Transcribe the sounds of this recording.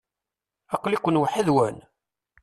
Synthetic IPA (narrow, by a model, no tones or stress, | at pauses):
ɑqlikʷənwəħiðwæn